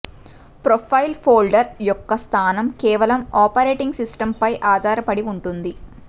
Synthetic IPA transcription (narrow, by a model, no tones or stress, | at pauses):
pɾopʰɐjlpʰoːlɖɐɾjɔkːɐst̪ʰaːnɐmkɛːʋɐlɐmaːpɐɾeːʈiŋɡsisʈɐmpɐjʔaːd̪ʱaːɾɐpɐɽiuɳʈund̪i